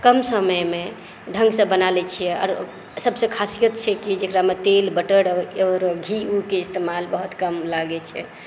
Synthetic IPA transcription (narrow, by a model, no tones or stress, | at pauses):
kəmsəməjme | ɖʱə̃ŋɡsə̃bənalɛt͡ʃʰijɛɔ̰ɾ | səbsẽkʰasijət̪t͡ʃʰɛkid͡ʒekɾamet̪elbəʈəɽɔɾɡʱiukeɪst̪emalbəɦut̪kəmlaɡɛt͡ʃʰɛ̰